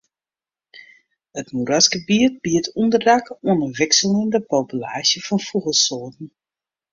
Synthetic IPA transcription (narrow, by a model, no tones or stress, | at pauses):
ətmuɾasɡəbiət̚biətʰundərdakuənəʋɪksəlɪndəpoːpyla̰ːʃjəfɔnfuɣəsoːtn̩